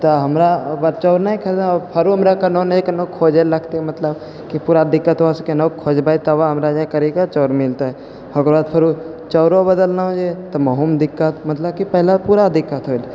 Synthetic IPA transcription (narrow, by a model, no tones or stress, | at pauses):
t̪ɐɦɐmɾabəɾt͡ʃɔːɾnaĩkʰəɾapʰəɾuɦəmɾakɐnonkənokʰːoːd͡ʒelːɐkʰt̪emət̪ləb | kipuːɾad̪ɪkːət̪ɦoaskenokʰoːd͡ʒbaːit̪aʋaɦɐmɾad͡ʒakəɾikat͡ʃɔːɾmɪlt̪aɦɛ | hɐɡəɾbaːd̪pʰəɾu | t͡ʃɔːɾobəd̪əlnaɦod͡ʒet̪ɐmɐɦumd̪ɪkːət̪mɐt̪ləb̚kipɛɦlapuːɾad̪ɪkːət̪ɦol